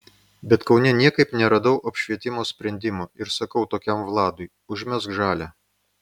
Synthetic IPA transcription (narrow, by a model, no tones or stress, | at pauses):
bʲɛt̪kɒʊnʲɛnʲiɛkɐɪpnʲɛɾɐd̪ɐʊʔɐpʲʃʲʋʲiɛt̪ʲɪmoːsʲpʲɾʲɛnʲd̪ʲɪmoːɪɾsɐkɐʊt̪oːkʲɛmʋlˠɑːd̪ʊɪ | ʊʒʲmʲɛskʒɑːlʲæː